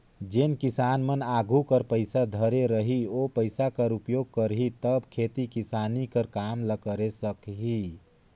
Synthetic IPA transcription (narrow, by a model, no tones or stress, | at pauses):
d͡ʒenkisanmənaɡʱukəɾpəjsad̪ʱəɾeɾəɦiopəɪjsakəɾupjoɡ̚kəɾɦit̪əbkʰet̪ikisanikəɾkamləkəɾesəkɦi